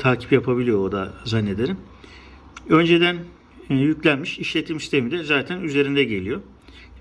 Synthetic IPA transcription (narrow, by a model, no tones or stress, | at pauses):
t̪ʰaːcʰi̥pjapʰabilijo̞od̪azanːe̞d̪e̞ɾim | ø̞nd͡ʒe̞d̪æn | jyclʲænmiʃiʃlʲe̞t̪ʰimsist̪ʰe̞mid̪ɛzaːt̪ʰænyze̞ɾind̪ɛɟe̞lʲijo̞